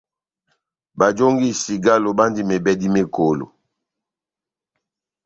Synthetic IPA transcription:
ba˨d͡ʒo˦ŋɡi˦˨si˨ɡa˦lo˨ba˦ndi˦me˨bɛ˦di˦me˦ko˨lo̰˨

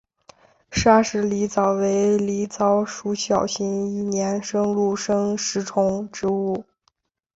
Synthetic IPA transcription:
ʂa˥˧ʂɻ̩˧˥˩li˧˥t͡sɑ˨˩ʊwe˧˥ɪli˧˥t͡sɑ˧˥ʊʂu˧˥ɕjɑ˨˩ʊɕi˧˥ŋi˥˩njɛ˧˥nʂɤ˥ŋlu˥˩ʂɤ˥ŋʂɻ̩˧˥ʈ͡ʂʰʊ˧˥ŋʈ͡ʂɻ̩˧˥u˥˩

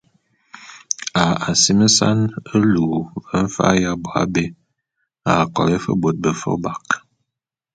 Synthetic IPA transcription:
a˨a˨si˦mə˦sa̰˦nə˦luː˨və˦ɱ̩˦fa̰˦ja˦bwa̰˨˦be˦ | a˨kɔ̰˨le˦fə̰˦bo˨t̚bə˨fo̰˦ba˨k

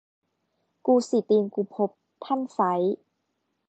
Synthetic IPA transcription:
kuː˧si˨˩˦t̪iː˧nkuː˧pʰo˦˥p̚ | t̪ʰa˥˩nsa˨˦j

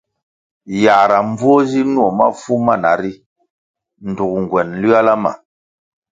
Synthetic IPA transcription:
ja˨ɾa˨m˦b͡vwɔ˦zi˦nu˦ɔ˨ma̰˦fu˦ma˦˨na̰˨ɾi˦ | n̩˨du˨k̚ŋ˨ɡwɛ˨nli˦a˦la˦ma̰˨

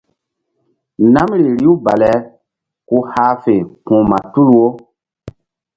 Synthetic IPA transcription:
na˦mɾii˨ɾi˦u˦ba˨lɛ˦ | ku˦haː˦fe˨kũ˨ma˨tu˦lwo˦

